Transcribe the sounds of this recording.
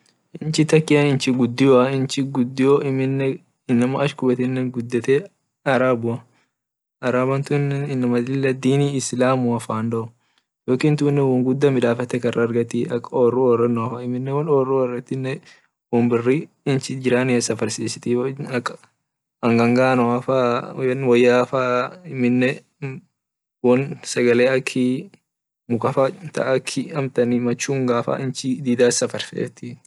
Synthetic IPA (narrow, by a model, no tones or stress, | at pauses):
ʔɪnt͡ʃɪt̪ɐkːɪɐnɪnt͡ʃɪɡʊd̪ːɪjoɐɪnt͡ʃɪɡʊd̪ːɪjoɪmɪnːɛ | ɪnːɐmɐɐʃkʊbɛt̪ɪnːɛnɡʊd̪ːɛt̪ɛ | ɐɾaːbʊɐ | ɐɾaːbɐnt̪ʊnːɛnɪnːɐmɐd̪lɪlːɐd̪iːniːɪslaːmuɐfaːnd̪ɔɔ | joːkiːnt̪ʊnːɛwɐŋɡʊd̪ːɐmɪᶑaːfɐt̪ːɛkɐrʔɐːɾɡɐt̪iɐkːɐɔrːuɔrɐnːʊɐfɐɪmɪnːɛwɐnɔrːuɐrːɐt̪ːɪnːɛ | wɔmbɪrːi | ɪnt͡ʃɪd͡ʒɪɾaːnɪɛsɐfɐɾsiːsɪ̥t̪ɪɐkː | ɐŋɡɐŋɡaːnɔafaːnwɐjːaːfaːɪmɪnːɛ | wɔnsɐɡɐleːɐkʰːɪ | mʊkɐfat̪ɐ̰ʔːkʰːɪɐmt̪ɐnimɐt͡ʃːuːŋɡaːfa̰ʔɪnt͡ʃɪd̪iːd̪aːsɐfɐɾsḛːt̪ɪ